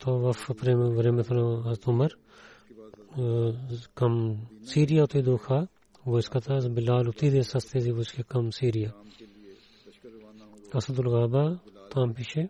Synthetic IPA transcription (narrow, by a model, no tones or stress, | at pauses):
t̪oːʋɐfpɾeːʋɾeːmet̪ʰolãɐzt̪ʊmɐɾ | kɐmsiːɾijaːʊt̪ʰid̪oːkʰaː | ʋoːɪskat̪ʰasbɪlaːlʊt̪ʰiːd̪eːsɐst̪eziʋoɪskekɐmsiːɾɪjaː | ɐsɐd̪ʊlɣaːbaːt̪ãːmpɪʃe